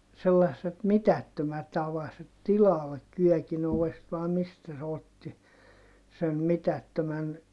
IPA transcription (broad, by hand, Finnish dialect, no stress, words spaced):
selːɑsːet mitætːømæt ɑʋɑset tilɑlːek kyœˑkin oʋest ʋɑˑe mistæ se otːi sen mitætːømæn